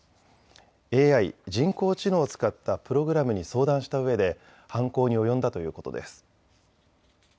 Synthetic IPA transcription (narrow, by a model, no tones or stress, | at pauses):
e̞ːaid͡ʑĩŋko̞ːt͡ɕino̞ːt͡sɨ̥kat̪ːapɯ̟ɾo̞ɡɯ̟ɾamɯ̟ɲ̟iso̞ːd̪ãɰ̃ɕi̥t̪aɯ̟βe̞d̪e̞ | hãŋko̞ːɲ̟io̞jõ̞nd̪at̪o̞jɯ̟̰ːko̞t̪o̞d̪e̞̰sɨ̥